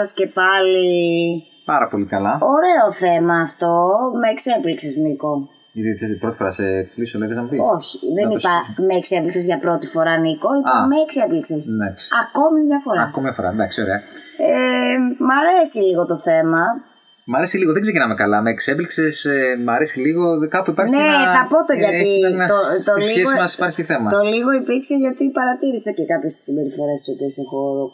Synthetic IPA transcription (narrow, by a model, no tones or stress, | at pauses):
ɐsce̞pɐli | pɐɾɐpo̞likɐlɐo̞ɾe̞oθe̞mɐːft̪o̞meːkse̞pliksezniko̞ | iðit̪espɾo̞t̪i̥fo̞ɾɐseplisoleɣɐzɐmpioçi̥ðenipɐmeːksepliksizʝɐpɾo̞t̪ifo̞ɾɐniko̞iomeːkse̞pliksesnɐksɐko̞miðʝɐfo̞ɾɐɐkomiɐfoɾɐ̰nd̪ɐksio̞ɾeɐemɐɾe̞siliɣo̞t̪o̞θe̞mɐ | mɐɾesiliɣoðeɡze̞cinɐmekɐlɐmeːksepliksesemɐɾesiliɣo̞kɐpuipɐɾçneɐpot̪eʝɐt̪it̪ot̪oliçeɣomɐsi̥pɐɾçiθemɐt̪o̞liɣo̞ipiɾkseʝɐt̪ipɐɾɐt̪iɾisɐcekɐpçest̪i̥simbe̞ɾifo̞ɾesisop̪iesexoɾo